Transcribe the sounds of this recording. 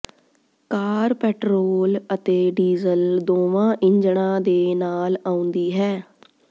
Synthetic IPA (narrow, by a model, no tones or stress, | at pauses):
kaːɾpɛːʈɾoːlət̪eːɖiːzəld̪oːʋãːʔɪ̃ɲd͡ʒɽãːd̪eːnaːlaːʊ̃nd̪iːɦɛː